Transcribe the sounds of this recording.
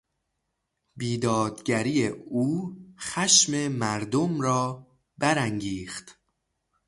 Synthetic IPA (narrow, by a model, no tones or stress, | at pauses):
biːd̪ɒːd̪ɟæɾiːeuːxæʃmemæɾd̪omɾɒː | bæɾæŋɟiːxt̪